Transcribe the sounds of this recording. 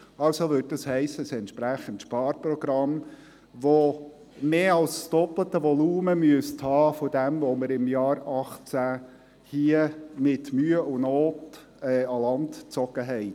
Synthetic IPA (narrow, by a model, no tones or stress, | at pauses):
ɑlsoʋʏːt̚dɑshɛɪsəəsɛntʃpɾæχəntʃpɑːɾpɾɔɡɾɑm | ʋo | meːɑlssd̥ɔplətəʋɔluːməmyəsthɑːfɔdɛmvoməɾɪmjɑːɾɑχt͡sæ | hiəmɪtmyːəʔʊnoːt | ɛɑlɑndt͡sɔɡ̥əɦɛɪ